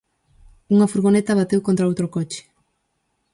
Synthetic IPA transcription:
uŋafuɾɣonet̪aβat̪ewkont̪ɾaowt̪ɾokot͡ʃe̥

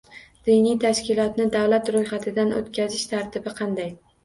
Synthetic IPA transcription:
d̪̥ijnijt̪ʰaʃkʲɪlˠɒt̪nɪd̪awlat̪ɾojχat̪ʰɪd̪anʔo̰t̪kʲʰazɪʃt̪ʰaɾt̪ʰɪbɪqʰɑnd̪aj

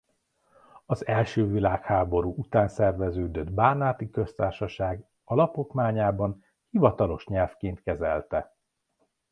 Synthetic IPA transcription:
ɒzɛlʃøːvilaːkhaːbo̞ɾuːʔut̪aːnsɛrvɛzøːd̪ø̞d̪baːnaːt̪ikø̞st̪aːrʃɒʃaːɡ | ɒlɒpokmaːɲaːbɒn | hivɒt̪ɒlo̞ʃɲɛlfkeːnt̪kɛzɛ̰lt̪ɛ

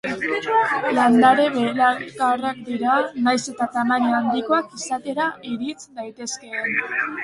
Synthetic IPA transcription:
land̪aɾe̞βelakarakd̪iɾanajse̞t̪at̪amaniand̪iko̞akisat̪e̞ɾaiɾit͡sd̪ajt̪e̞ske̞n

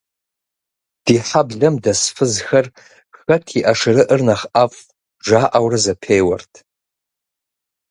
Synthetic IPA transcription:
d̥iħabɮɨmdasfɨzxɐr | xɐtʰiʔaʂɾɨʔərnaχafʼ | ʐaːʔawrɨzapʰejwa̰rtʰʼ

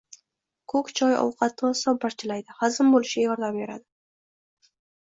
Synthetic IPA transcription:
kʰɵkt͡ʃʰɒjɒ̰wqʰɑt̪ːɑsɒpːaɾt͡ʃʰɪlajd̪ɪhazɨmbolˠɪʃɪjɒɾd̪ɑmbeɾa̰d̪ɪ

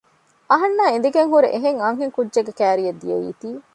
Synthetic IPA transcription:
ɐɦɐnːaːen̆d̪iɡeŋɦuɾeʔeɦeŋɐŋɦeŋkudːd͡ʒeɡekæːɾijed̪ːijḛjḭːt̪iː

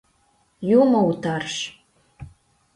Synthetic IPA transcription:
jumout̪arʃ

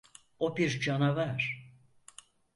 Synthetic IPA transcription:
obiɾd͡ʒanavaɾ̥

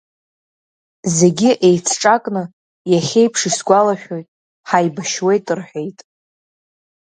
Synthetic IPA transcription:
ze̞ɡʲɪʔe̞jt͡sʰʈ͡ʂʼakʼnɨ | jaχʲe̞jpʰʂisɡʷalaʃᶣo̞jtʼ | ħajbaʃwe̞jtʼɨrħᶣe̞jtʼ

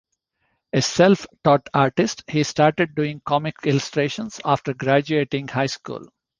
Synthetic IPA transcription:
eselfʈɔːʈaːɾʈɪsʈhiːsʈaːɾʈeɖ̚ɖuːɪ̃ŋkɔmɪkɪlʊsʈɾeːʃə̃nsaːfʈəɾɡɾæd͡ʒueːʈɪ̃ŋɡhaɪskṵːl

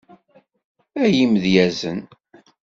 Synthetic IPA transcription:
æjimðjæzən

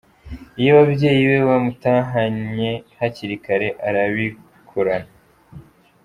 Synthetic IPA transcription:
ijoβabje̞ːjiwe̞βamutaːɦaɲe̞haciɾikaɾe̞ʔaɾaβi | kʰoɾana

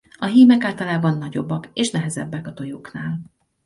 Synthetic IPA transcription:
ɒɦiːmɛkaːlt̪ɒlaːbɒnːɒɟo̞̰bːɒkeːʃnɛɦɛzɛ̰bːɛkɒt̪o̞joːknaːl

